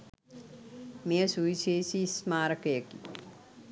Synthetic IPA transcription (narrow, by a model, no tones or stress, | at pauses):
mejəsuʋiʃeːsismaːɾəkɐjəki